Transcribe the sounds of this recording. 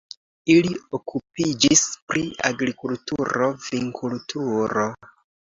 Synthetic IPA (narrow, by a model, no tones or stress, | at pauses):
iliokʰupid͡ʒispɾia̰ɡɾikultuɾo̞viŋkʰultʰuɾo̞